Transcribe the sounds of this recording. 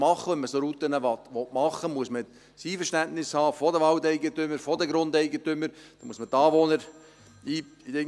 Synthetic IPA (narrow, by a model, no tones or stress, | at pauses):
mɑχːəʋɛnmːəsoɾutːənəʋɑtʋɔtmɑχːəmuəsmə | siːfəɾʃtæntnɪshɑːfɔdəʋɑltɛɪɡətʏmːəɾfɔdəɡɾʊndɛɪɡətʏmːəɾd̥ɑmṵəsmətːɑːʋonəɾ | iː | iɪ